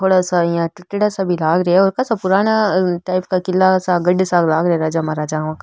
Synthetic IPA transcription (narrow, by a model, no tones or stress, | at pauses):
t̪ʰoːɽasajãʈɪʈːɪɽasabʱilaːɡɾɐʊɾkasapʊɾaːnaʈaːɪpkakɪlːasaɡɐɖsaɡlaːɡɾɐeɾaːd͡ʒamaɾaːd͡ʒaːãk